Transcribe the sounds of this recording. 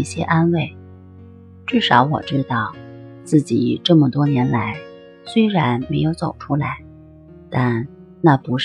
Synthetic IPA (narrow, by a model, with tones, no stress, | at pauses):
ɕjɛ̰˥ʔa˥nwe˥˩ɪ | ʈ͡ʂɻ̩˥˩ʂɑ˧˥ʊwɔ̰˨˩ʈ͡ʂɻ̩˥t̪ɑ˥˩ʊt͡sɹ̩˥˩t͡ɕi˨˩ʈ͡ʂɤ˥˩mə˨˩t̪wɔ˥njɛ˧˥nla˧˥ɪ | swe˥ɪɻa˧˥nme˧˥ɪjo˧˥ʊt͡so˨˩ʊʈ͡ʂʰu˥la˧˥ɪ | t̪a˥˧n | na˥˩pu˧˥ʂ